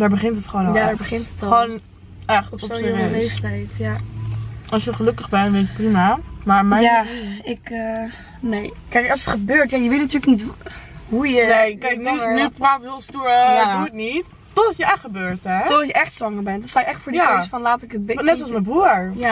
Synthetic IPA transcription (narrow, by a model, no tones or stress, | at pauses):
daːɹbəχɪntətχəoːnjadaːɹbəχɪnttətχʋon | ɛχtɔpəelejftɛjtja | ɑlsjəχəlɵkəχbɛnʋejtətprimamaːɹmɛaɪkə | nej | kɛjkɑlˠsətχəbøːɹtjajəʋɪtnatyːləknitɦujənejkɛjknənypraːthɪlˠstuɹaduətnit | tɔdɑtjəʔɛχtχəbøːɹtɛodjəɛχtsʋɑŋəɹbɛntdɔtstawjəʔɛχtfʊːɹdiaasfɔnlaːtɪkət̚bnɛtsɔlsməbruːɹja